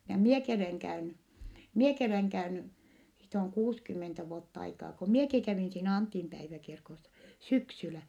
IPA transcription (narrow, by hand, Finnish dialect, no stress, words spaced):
jɑ mieki oleŋ kæyny mieki oleŋ kæyny siːt oŋ kuːskymːentæ ʋuotː ɑikɑː ko mieki kæʋiˑn siːnæ ɑntimpæiʋækirkosːɑ syksylæ